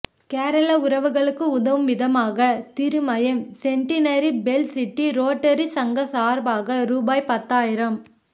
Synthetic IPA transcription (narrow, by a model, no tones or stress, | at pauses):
keːɾɐlɐʊɾɐʋɯɣɐɭɯkːɯʊðɐʋɯmʋɪðɐmaːɣɐt̪ɪɾɯmɐjɐmsɛɳʈɪnɐɾibɛlsɪʈːiɾoːʈːɐɾisɐŋɡɐsaːɾbaːɣɐɾuːbaːjpɐt̪ːaːjɪɾɐm